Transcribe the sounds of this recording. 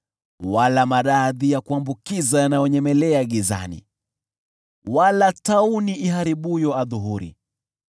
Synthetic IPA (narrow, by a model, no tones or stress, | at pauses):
walamaɾaðijakuambukizajanajɔɲɛmɛlɛaɠiza̰nḭ | walatauniʔiɦaɾiɓujɔaðuɦuɾḭ